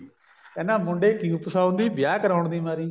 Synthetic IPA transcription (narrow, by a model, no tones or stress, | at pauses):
kɛːnãːmʊɳɖeːkiːupəsaːʊnd̪iːb̪jaːkəɾaːʊɳd̪iːmaːɾiː